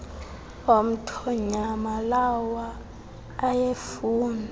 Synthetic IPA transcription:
om̩tʰɔɲamalawaː | jefuːna

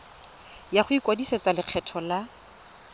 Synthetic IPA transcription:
jaχʊikʼwadiset͡sʼalɪq͡χʰɛtʰɔla

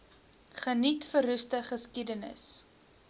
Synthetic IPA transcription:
χənitfəɾʉstəχəskidənə̰s

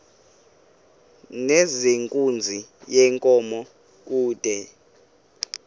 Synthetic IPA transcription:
nezeŋkʼund͡zʱijɛŋkʼɔmɔ | k̬ʼuːd̥ʱɛ

